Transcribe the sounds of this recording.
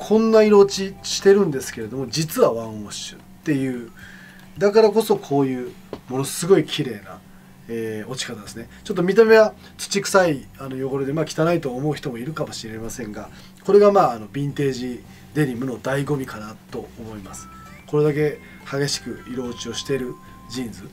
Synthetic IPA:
kʰõ̞nːaiɾo̞ːt͡ɕiɕi̥t̪e̞ɾɯ̟̃nd̪e̞sɨ̥ke̞ɾe̞d̪o̞mo̞d͡ʑit͡sɨβaβãɰ̃o̞ɕɨ̥̰ | t̪ːe̞jɯ̟ː | d̪akaɾako̞so̞kʰo̞ːjɯ̟ː | mo̞no̞sɨɡo̞ikʲʰiɾe̞ːna̰ | eːo̞t͡ɕi̥kat̪ad̪e̞sɨne̞t͡ɕot̪̬ːomʲit̪̬ame̞βa | t͡sɨ̥t͡ɕikɯ̟̥saiano̞jo̞ɡo̞ɾɯd̪e̞maːkʲi̥t̪anait̪o̞ːmo̞ɯ̟çi̥t̪omo̞iɾɯ̟kamo̞ɕiɾe̞masẽ̞ŋɡa | ko̞ɾe̞ɡamaːno̞bʲĩnt̪e̞ːʑi | d̪e̞ɾʲimɯ̟no̞d̪aiɡo̞mʲikanat̪o̞omo̞imasɨ̥ | ko̞ɾe̞d̪ak̬e̞ | haɡe̞ɕi̥kɯ̟iɾo̞ːt͡ɕio̞ɕi̥t̪e̞ɾɯ̟ | d͡ʑĩnd͡zɨ

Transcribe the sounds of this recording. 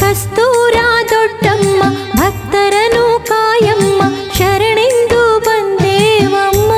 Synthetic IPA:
kɐst̪uːɾaːd̪ɔɖːɐmːɐbʱɐkt̪ɐɾɐnukaːjɐmːɐ | ʃɐɾɐɳend̪ubɐnd̪eːʋɐmːɐ

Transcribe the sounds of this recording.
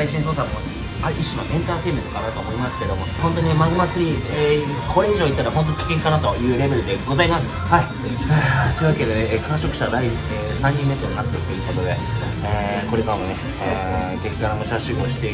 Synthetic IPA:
aiɕĩsoːsammo | aʔiɕːino̰ʔẽ̞nt̪aːt̪e̞ːmit̪okaɾaɾɯt̪oːmo̞imasɨ̥ke̞d̪o̞mo̞hont̪o̞ɲ̟inemaɡɯmasɨɾʲie | kʰoeʑoːit̪ːaɾaho̞nt̪̬oikʲi̥kẽ̞ŋkanat̪o̞jɯ̟ːɾe̞be̞ɾɯ̟d̪e̞ɡo̞zaimasɨ̥hai | t̪oi̟βake̞d̪e̞nekãɕo̞kɯ̟̥ɕad̪ai | e | sãɲ̟ːĩmːe̞t̪onat̪ːe̥t̪ojɯ̟ko̞t̪o̞d̪e̞ | eko̞ɾe̞kaɾamo̞neː | ɡe̞t͡sɨɡaɾamoɕaɕiɡoːɕi̥t̪e̞

